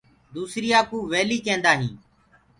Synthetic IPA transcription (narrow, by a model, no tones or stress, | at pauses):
d̪uːsɾijaːkũːʋeːliːkẽːnd̪aːɦĩː